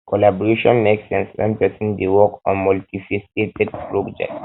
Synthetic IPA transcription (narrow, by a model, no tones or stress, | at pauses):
kʰɔlabɔɹeʃɔ̃nmeksɛ̃nsã̰npɛsĩndewɔkɔ̰̃nmɔltifisketɛd̚pɹɔd͡ʒɛ̰k̚t